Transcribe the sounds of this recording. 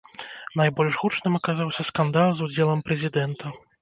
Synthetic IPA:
najbɔlʲʐɣut͡ʂnɨmakazawsʲɐskand̪alˠzud͡zʲɛlˠɐmpɾɛzʲid̪ɛnt̪ʰɐ

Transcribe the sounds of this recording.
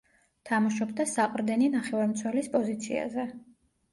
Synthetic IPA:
t̪ʰamaʃɔbd̪asaqʼɾd̪ɛninaχɛvaɾmt̪sʰwɛlispʼɔzit̪sʰḭa̰zɛ

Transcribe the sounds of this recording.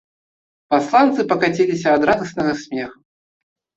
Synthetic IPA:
paslˠant̪sɨpɐkat͡sʲɛlʲisʲɐːd̪ɾad̪ɐsnɐɣɐsʲmʲɛx

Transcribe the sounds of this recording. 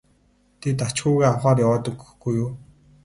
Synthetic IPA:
t̪ʰit̪at͡ɕxuːɣeːawχaːrjawɔːt̪ə̆ɡɵxɡujuː

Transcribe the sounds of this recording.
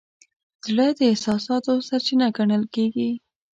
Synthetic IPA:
z̥ɽəd̪əɪhsɑsɑt̪osaɾt͡ʃinaɡaɳəlkeɡi

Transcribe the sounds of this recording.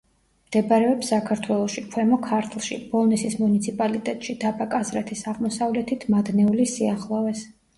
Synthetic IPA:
md̪̥ɛbaɾɛɔpsːakʰaɾt̪ʰwɛlˠɔʃikʰwɛmɔkʰaɾt̪ʰlˠʃḭb̥ɔlˠnɛsismunit̪sʰipʼalit̪ʼɛt̪ʼʃid̪̥abakʼazɾɛt̪ʰisaʁmɔsavlɛt̪ʰit̪ʰmad̪nɛulisiaχlˠɔvɛs

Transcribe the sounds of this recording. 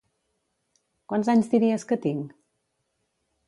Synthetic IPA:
kwanzaɲzd̪iɾiəskət̪iŋ

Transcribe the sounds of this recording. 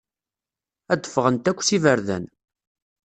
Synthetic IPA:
æd̪əfʁənt̪ækʷːsivəɾðæ̰n

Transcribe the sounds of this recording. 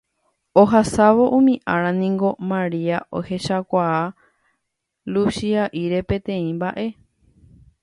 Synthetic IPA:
oɦasaʋo̞ʔũmĩʔãɾãnĩŋɡo̞mãɾiaʔo̰he̞ʃakʷaa | lusiaʔiɾe̞pẽ̞t̪ẽ̞ĩmbaʔe̞

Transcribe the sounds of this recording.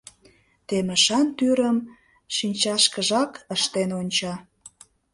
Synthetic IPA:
t̪eməʃɑnt̪yɾəm | ʃinʲt͡ɕɑʃkəʒɑkəʃt̪enonʲt͡ɕɑ

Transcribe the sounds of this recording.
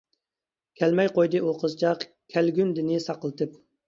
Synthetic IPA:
kʲʰælmɛjqojd̪ɨʔoqʰəzt͡ʃɑq | kʲʰælɡʲynd̪ɪnɪsɑqəlˠɨt̪ʰɨp̚

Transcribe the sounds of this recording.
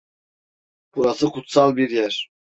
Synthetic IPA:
b̥uɾasɯkʰut̪salˠbiɾjæɾ̥

